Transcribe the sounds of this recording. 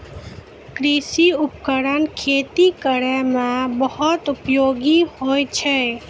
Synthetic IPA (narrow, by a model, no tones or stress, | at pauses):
kɾisiupkəɾənkʰet̪ikəɾɛmebəhut̪upjoɡihojt͡ʃʰɛ